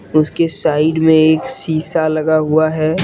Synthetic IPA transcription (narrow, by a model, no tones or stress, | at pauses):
ʊskesaːɪɖmẽeːksiːsalɐɡaɦuaɦɛː